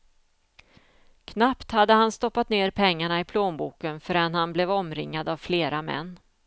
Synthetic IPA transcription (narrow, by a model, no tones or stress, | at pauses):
kʰnapt̪had̪ːəhanst̪ɔpːat̪neːɾpʰɛŋːaɳaɪpʰloːnbuːkənfœɾɛnhanblɛvɔmɾɪ̰ŋːad̪avfleːɾʔamɛ̰nː